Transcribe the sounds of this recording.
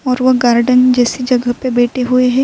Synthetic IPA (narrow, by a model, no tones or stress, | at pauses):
ɔːɾʋɐɡaːɾɖənd͡ʒɛːsid͡ʒɐɡəɦpebeːʈeɦueɦɛ̃ː